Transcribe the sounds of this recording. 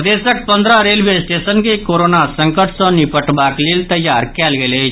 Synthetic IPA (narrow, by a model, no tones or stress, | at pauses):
d̪esək̚pənd̪ʱɾaɾelʋesʈesənkekoɾonasəŋkəʈsɔnipəʈbakliːlt̪əjːaɾkɛlɡele